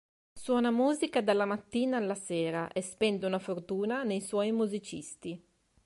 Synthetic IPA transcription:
swɔːnamuːzikad̪alːamat̪ːiːnaːlːaseːɾaʔespɛnd̪eunafort̪uːnanejswɔjmuzit͡ʃist̪i

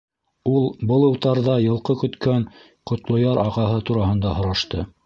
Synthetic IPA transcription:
ulˠbɤ̆lˠɤ̆wt̪ɑɾðɑjɤ̆lˠqɤkɵ̆t̪kæn | qŏt̪lˠŏjɑɾʔɑʁɑɦɤt̪uɾɑhɤ̆nd̪ɑɦŏɾɑʃt̪ɤ

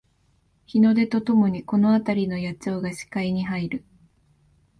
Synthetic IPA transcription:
çino̞d̪e̞t̪o̞t̪o̞mo̞ɲ̟iko̞no̞at̪aɾʲino̞jat͡so̞ːɡaɕi̥kaiɲ̟iɦaiɾɯ̟

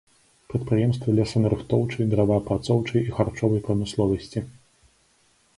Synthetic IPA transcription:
pɾɐt̪pɾɨjɛmst̪vɐlʲɛsɐnɐɾɨxt̪ɔwt͡ʂɐjd̪ɾavapɾat̪sɔwt͡ʂɐjixart͡ʂɔvɐjpɾɐmɨslˠɔvɐsʲt͡sʲi

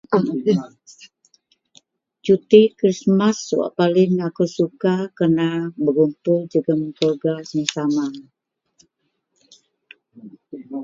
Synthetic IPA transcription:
t͡ʃut̪ikɾismasːua̰ʔpalɪŋakusukakərnabəɡumpʊld͡ʒuɡaməŋkɔrɡasɲasama

